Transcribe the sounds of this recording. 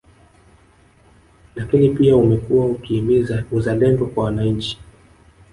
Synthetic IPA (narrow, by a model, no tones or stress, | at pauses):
lakinipiaumɛkuwaukiuzalɛndɔkwawanaɲ̩t͡ʃi̥